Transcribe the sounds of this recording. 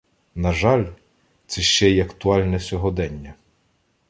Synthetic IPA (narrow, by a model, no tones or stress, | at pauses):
nɐʒɑlʲ | t̪sɛʃt͡ʃɛjɐkt̪ʊɑlʲnɛsʲɔɦɔd̪ɛnʲːɐ